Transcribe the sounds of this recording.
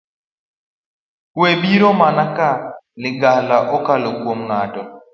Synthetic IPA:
webiɾɔmanakaniɡalaʔɔkaloɡuɔm̩ŋatɔ

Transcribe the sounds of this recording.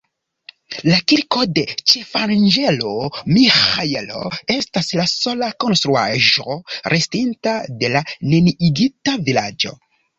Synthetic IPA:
lakiɾko̞de̞t͡ʃe̞fand͡ʒelomixajelo̞̰e̞staslaso̞lako̞nst̪ɾuaʒoɾʔestintade̞laneniʔiɡitavila̰d͡ʒo̞̰

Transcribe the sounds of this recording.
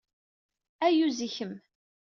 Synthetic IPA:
æjuziçəm

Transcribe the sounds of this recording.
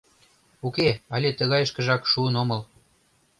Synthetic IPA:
ukeɑlʲet̪ə̆ɣɑjə̆ʃkə̆ʒɑkʃuənomɤ̆l

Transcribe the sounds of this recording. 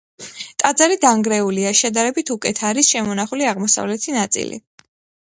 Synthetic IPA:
t̪ʼad̪zaɾid̪aŋɡɾɛuliaʃɛd̪aɾɛbit̪ʰukʼɛt̪ʰaɾisʃɛmɔnaχuliaʁmɔsa̰vlɛt̪ʰinat̪sʼḭlḭ

